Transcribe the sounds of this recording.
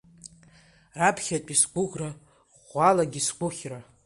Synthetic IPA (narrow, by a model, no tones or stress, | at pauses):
rapʰχʲatʼisɡʷʊʁra | ʁʷalaɡʲisɡʷʊχʲra